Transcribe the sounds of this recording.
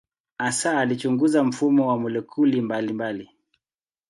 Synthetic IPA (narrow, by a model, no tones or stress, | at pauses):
asaːlit͡ʃuŋɡuzam̩fumɔwamulɛkʰulimbalimbali